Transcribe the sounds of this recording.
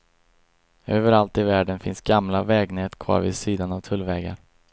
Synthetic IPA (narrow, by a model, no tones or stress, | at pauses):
øːvəɾalt̪ɪvæːɖənfɪnsɡamlavɛːɡnɛːt̪kʰvɑ̰ːɾvɪ̰siːd̪anavt̪ʰɵlvɛːɡa̰ɾ